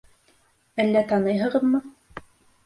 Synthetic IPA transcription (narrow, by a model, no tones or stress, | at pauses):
ælːæt̪ɑnɤjɦɤ̆ʁɤ̆ðmɤ